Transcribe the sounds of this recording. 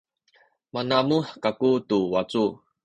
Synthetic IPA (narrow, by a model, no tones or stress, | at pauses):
manamuħkakutuwat͡su